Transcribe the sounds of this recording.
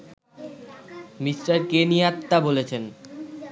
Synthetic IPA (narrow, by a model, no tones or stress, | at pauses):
misʈaɾkeniat̪ːabolet͡ɕʰen